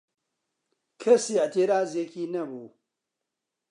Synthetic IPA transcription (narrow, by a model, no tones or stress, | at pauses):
kʰesiateɾazekʲinɐbu